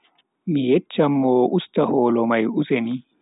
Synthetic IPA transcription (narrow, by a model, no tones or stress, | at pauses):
mɪjɛt͡ʃːɐmːoːʔʊst̪ɐhoːlɔmɐjʊsɛni